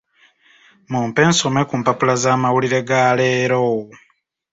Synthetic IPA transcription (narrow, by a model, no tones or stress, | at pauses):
muːmpe̞ːnso̞me̞kuːmpapulazaːmawuliɾe̞ɡaːleːɾoːw